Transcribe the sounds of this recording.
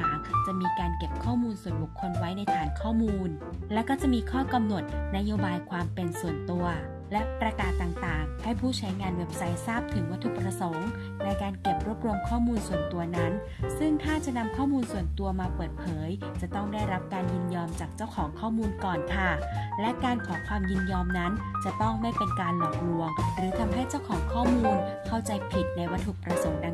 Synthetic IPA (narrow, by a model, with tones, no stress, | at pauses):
aː˨˩˦ŋt͡ɕa˨˩miː˧kaː˧nke˨˩p̚kʰɔː˥˩muː˧nsu˨˩ənbu˨˩kʰːo˧nwa˦˥jna˧jt̪ʰaː˨˩ŋkʰɔː˥˩muː˧n | lɛ˦˥kɔː˥˩t͡ɕa˨˩miː˧kʰɔː˥˩ka˧mno˨˩ət̪̚na˦˥joː˧baː˧jkʰwaː˧mpe˧nsu˨˩ənt̪u˧ɐ | lɛ˦˥pɾa˧kaː˨˩t̪ːaː˨˩ŋt̪aː˨˩ŋha˥˩jpʰuː˥˩t͡ɕʰa˦˥jŋaː˧nweː˨˩p̚sa˧jsaː˥˩p̚t̪ʰɯ˨˩˦ŋwa˥t̪ʰu˦˥˩pɾa˧so˩˦ŋ | na˧jkaː˧nke˨˩p̚ɾu˦˥əp̚ɾo˧mkʰɔː˥˩muː˧nsu˨˩ənt̪u˧ɐna˦˥n | sɯ˥˩ŋt̪ʰaː˥˩t͡ɕa˨˩na˧mkʰɔː˥˩muː˧nsu˨˩ənt̪u˧ɐmaː˧pɤː˨˩t̪̚pʰɤː˩˦j | t͡ɕa˨˩t̪ɔ˥˩ŋdaː˥˩jɾa˦˥p̚kaː˧njɯ˧njɔː˧mt͡ɕaː˨˩k̚t͡ɕa˥˩wkʰɔː˩˦ŋkʰɔː˥˩muː˧nkɔː˨˩nkʰa˧˩lɛ˦˥kaː˧nkʰɔː˩˦kʰwaː˧mjɯ˧njɔː˧mna˦˥nt͡ɕa˨˩t̪ɔ˥˩ŋma˥˩jpe˧nkaː˧nlɔ˨˩ŋ̚lu˧əŋɾɯː˩˦t̪ʰa˧mɦa˥˩jt͡ɕa˥˩wkʰɔː˩˦ŋkʰɔː˥˩muː˧nkʰa˥˩wt͡ɕa˧jpʰi˨˩t̪̚na˧jwa˦˥t̪ʰːu˨˩k̚pɾa˧so˩˦ŋda˧